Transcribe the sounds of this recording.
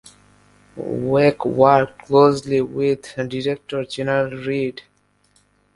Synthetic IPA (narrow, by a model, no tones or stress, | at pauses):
wɛkwakkʰlosliwiðdiɹɛk̚tɔɹd͡ʒɛnəɹalɹid